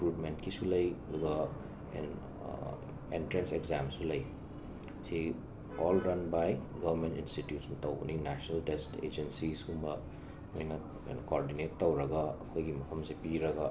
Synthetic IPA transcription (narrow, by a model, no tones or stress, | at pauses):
ikɾutmentkisulɐjduɡɐ | ḛn | entɾenseɡzamsulɐj | si | ɔlɾɐnbajɡɐbɐɾmentinstitjutsntɐw̰ninasnɐltestḛd͡ʒensisumbɐ | mojnɐ̰ | nkoɾdinetːɐwɾɐɡaɐkʰojɡimɐkʰɐmsepiɾɐɡa